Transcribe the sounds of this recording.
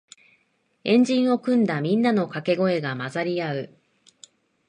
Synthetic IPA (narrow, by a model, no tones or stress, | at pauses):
ẽ̞ɲd͡ʑĩɰ̃o̞kɯ̟̃nd̪amʲĩnːano̞kake̞ɡo̞e̞ɡamazaɾʲiaɯ̟